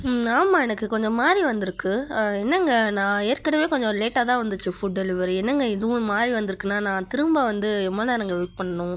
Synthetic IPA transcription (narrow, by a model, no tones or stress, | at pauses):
aːmaːɛnɐkːɯkɔɲd͡ʒɔ̃maːd̪ɾiʋɐnd̪ɯɾɯkːɯɛnːɐŋɡɐnãːeːɾkɐɽɐʋeːkɔɲd͡ʒɔ̃leːʈːaːt̪ãːʋɐnd̪ɯt͡ʃːɯfʊʈ̚ɖɛlɪʋɐɾɛnːɐŋɡɐɪðɯʋʊ̃maːd̪ɾiʋɐnd̪ɯɾɯkːɯnːaːnãːt̪ɪɾɯmbaʋɐnd̪ɯɛmːɐlãːnaːŋɡɐʋɛːk̚pɐɳːɐnʊ̃